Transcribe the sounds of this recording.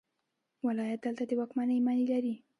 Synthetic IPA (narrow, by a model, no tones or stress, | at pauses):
walɑjat̪̚d̪alt̪ad̪əwɑkmanəjmanilaɾi